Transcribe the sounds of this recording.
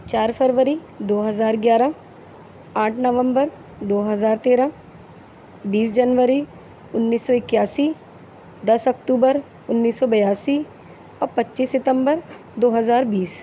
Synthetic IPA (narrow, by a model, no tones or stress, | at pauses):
t͡ʃaːɾpʰəɾʋəɾi | d̪oːɦɐzaːɾɡjaːɾa | aːʈʰnɐʋə̃mbəɾ | d̪oːɦɐzaːɾt̪eːɾã | biːsd͡ʒɐnʋəɾi | ʊnːiːsːɔɪkjaːsi | d̪ɐsɐk̚ʈuːbəɾ | ʊnːiːsːɔbɐjaːsi | ɔːɾpɐtːʃiːsɪt̪ə̃mbəɾ | d̪oːɦəzaːɾbiːs